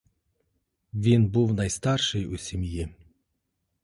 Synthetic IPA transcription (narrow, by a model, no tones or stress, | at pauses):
vʲinbuwnajst̪arʂɨjusʲemʲji